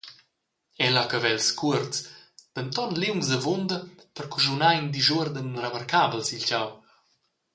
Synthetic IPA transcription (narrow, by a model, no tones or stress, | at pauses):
ɛlakəvɛlskʰuərt͡sd̪̥ənt̪ɔnliwŋzd̪əvond̪əpərkuʒunajnd̪iʒuəɾd̪ənrəmarkabəlsilcaw